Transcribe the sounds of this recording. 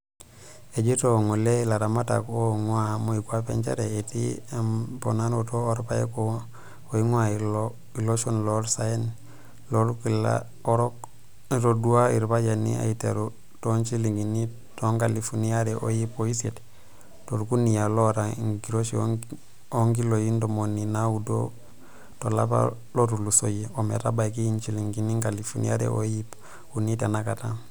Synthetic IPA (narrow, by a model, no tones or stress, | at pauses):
ed͡ʒitoŋolelaɾamata̰koŋwamoikwapḛnt͡ʃa̰ɾeetimpo̰nanotooɾpajḛko | oiŋwal | iloʃonloɾsaen | loɾkila̰ | oɾok | ɾoduaiɾbad͡ʒanḭa̰itḛɾu | tont͡ʃiliŋɡini | toŋɡalifunijaɾeʔo̰jipoiset | toɾɡunijaloɾaŋɡiɾoʃio̰ | oŋɡilojindomoninaudo̰ | tola̰pa̰ | loɾulusojiomḛɾabaikiint͡ʃiliŋɡiniŋɡalifunḭjaɾḛʔo̰jip | unitenakata